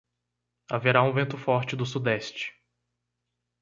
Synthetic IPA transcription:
aveɾaũvẽnt̪ʊfɔɾt͡ʃɪd̪ʊsud̪ɛst͡ʃɪ̥

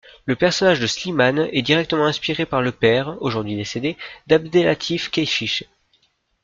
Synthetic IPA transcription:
ləpɛʁsɔnaʒd̪əslimanɛd̪iʁɛk̚t̪əmɑ̃ɛ̃spiʁepaʁləpɛʁoʒuʁd̪ɥid̪esed̪ed̪ab̚d̪elat̪ʰifkʲɛjfiʃ

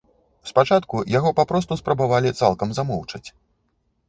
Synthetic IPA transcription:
spat͡ʂat̪kujaɣɔpapɾɔs̬t̪uspɾɐbavalʲit̪sa̰lˠkɐmzamɔwt͡ʂɐt͡sʲ

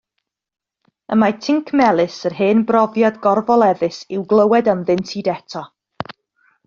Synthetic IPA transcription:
əmatʰɪŋkʰmɛlˠɨsərɦeːnbrɔvjadɡɔrvɔlˠɛðɨsɪwɡlˠəwɛdanðɪntʰidɛtʰɔ

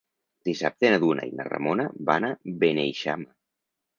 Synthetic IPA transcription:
d̪̥isap̚t̪enaðuna̰inə̰rə̰monaβanabenejʃama

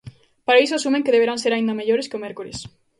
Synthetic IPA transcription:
paɾaisoasumẽŋkeðeβ̞eɾanseɾaind̪ɐmeʎoɾeskɪomɛɾkulḛs

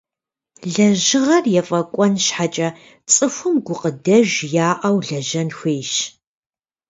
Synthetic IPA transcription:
ɮɐʒɪʁɐrjɛfʼɐkʷʼɔnʃħat͡ʃʼɐ | t͡sʼɨfʷʊmɡʷʊqədɐʒjaːʔɐwɮɐʒɐnxʷeːʃ

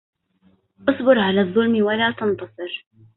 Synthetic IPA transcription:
ʔɑsˤbɪɾʕalaːðˤːʊlmwalaːt̪ɑnt̪ɑsˤɨɾ

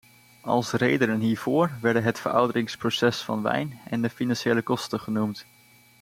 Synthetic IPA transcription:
ɑ̰lˠsrejdənənɦiːɹvʊːɹʋɛɹdənɦətfəɹɑ̰wdərɪŋsprosɛsfɑnʋɛ̰jnɛndəfinɑnʃejləkɔstəχənumt

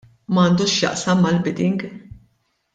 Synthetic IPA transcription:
mɐːnd̪uːʃjɐ̰ʔsɐmːɐlbɪd̪ɪŋɡ

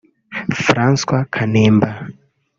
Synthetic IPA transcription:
fɾanskwakʰanɛmba

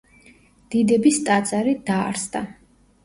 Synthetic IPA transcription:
d̪̥id̪ɛbist̪ʼat̪sʼaɾid̪aːɾsd̪a

